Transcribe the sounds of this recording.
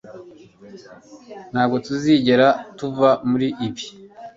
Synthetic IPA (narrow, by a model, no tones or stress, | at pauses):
n̥haːbɡo̞tuziːɟe̞ɾatuvamuɾiʔːbi